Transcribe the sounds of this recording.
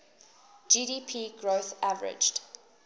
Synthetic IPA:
d͡ʒiːɾiːpʰiːɡɹoθavəɹɪ̰d͡ʒd

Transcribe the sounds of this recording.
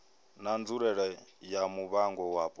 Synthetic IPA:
nand͡zuɺɛɺɛjamuβaŋɡɔwapʼɔ

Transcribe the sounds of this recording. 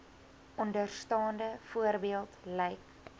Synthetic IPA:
ʔɔndərstɑːndəfuərbiəlˠtlɛjk

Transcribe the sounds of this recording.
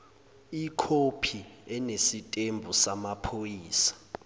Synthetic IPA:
ikʰopʰiɛnesitʼembʱusamapʰojiːsḁ

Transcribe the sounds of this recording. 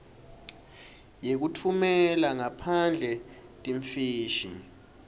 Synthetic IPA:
jek̬utʰumɛlaŋapʰand͡ɮʱɛ | tʼiɱfiːʃi

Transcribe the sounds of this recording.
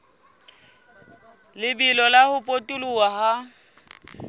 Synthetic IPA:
lɪbilɔlahʊpʼotʼuluaha

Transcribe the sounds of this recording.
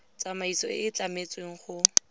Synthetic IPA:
t͡samaisɔɪt͡ɬamet͡sʼweŋ̩χʊ

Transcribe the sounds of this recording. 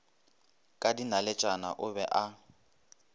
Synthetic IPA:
kʼadinalɛt͡ʃʼana̰ʔʊbɛʔa

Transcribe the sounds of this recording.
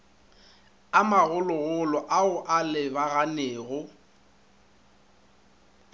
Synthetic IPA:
amaɣʊlɔɣʊlɔʔaʊʔalɪbaɣaneːɣʊ

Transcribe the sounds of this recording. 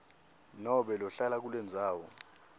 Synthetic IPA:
nɔɓɛlɔɬalak̬ulwɛnd͡zʱaːwɔ

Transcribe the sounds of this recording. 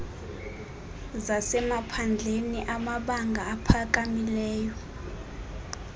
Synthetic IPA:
zasɛmapʰand͡ɮʱeniʔamaɓaŋɡʱaːpʰak̬ʼamilɛːjɔ

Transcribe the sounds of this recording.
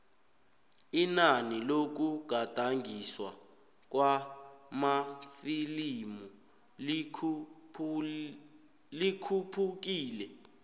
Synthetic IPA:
inanilok̬uɡ̥ʱad̥ʱaŋɡʱiswa | k̬wamafilimu | likʰupʰuk̬iːlɛ

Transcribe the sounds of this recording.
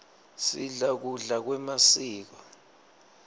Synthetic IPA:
siɮak̬uɮak̬wɛmasiːk̬ɔ

